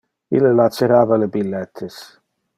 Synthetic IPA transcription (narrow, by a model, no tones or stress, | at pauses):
ḭlelat̪seɾaːvalebilːɛt̪ʰːes